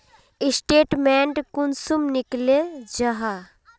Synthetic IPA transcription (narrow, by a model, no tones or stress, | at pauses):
isʈeːʈmeɳʈkunsumnɪkled͡ʒɐɦa